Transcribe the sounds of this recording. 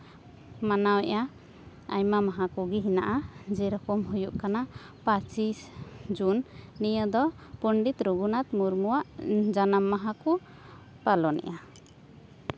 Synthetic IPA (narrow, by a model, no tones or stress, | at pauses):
manawɛʔa | a̰jmamaɦakuɡiɦina̰ʔad͡ʒɛɾɔkɔmɦujuʔ̚kana | pat͡ʃisd͡ʒunːijəd̪ɔ | pɔɳɖit̪ɾuɡunat̪muɾmuwaʔd͡ʒanamːaɦaku | palɔnɛ̰ʔa